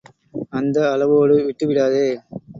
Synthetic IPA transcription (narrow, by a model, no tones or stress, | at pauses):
ɐnd̪ɐːlɐʋoːɽɯʋɪʈːɯʋɪɽaːðeː